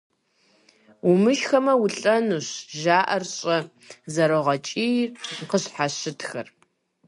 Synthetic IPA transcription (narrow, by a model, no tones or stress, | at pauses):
umɨʃxɐmɐwʊɬʼɐnuɕʒaːʔɐrɕʼɐ | zɐɾɨʁɐt͡ʃʼiːjqəɕħaɕɪtʰxɐ̰r